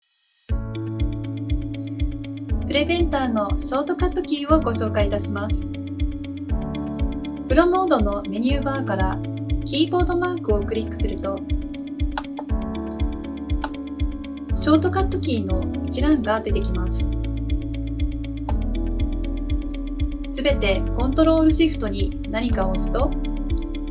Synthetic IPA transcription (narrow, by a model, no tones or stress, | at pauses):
pɯ̟ɾe̞zẽ̞nt̪aːno̞ɕo̞ːt̪o̞kat̪ːo̞kʲiːo̞ɡo̞ɕo̞ːkait̪aɕimasɨ̥ | pɯ̟ɾo̞mo̞ːd̪o̞no̞me̞ɲ̟ʲɨːbaːkaɾa | kʲiːbo̞ːd̪o̞maːkɯo̞kɯ̟ɾʲikːɯ̟̥sɨɾɯ̟t̪o̞ | ɕo̞ːt̪o̞kat̪ːo̞kʲiːno̞it͡ɕiɾãŋɡad̪e̞t̪e̞kʲimasɨ̥ | sɨbe̞t̪e̞kõ̞nt̪o̞ɾo̞ːɾɯ̟ɕiɸɯ̟̥t̪o̞ɲ̟i | naɲ̟ikaosɨ̥t̪o̞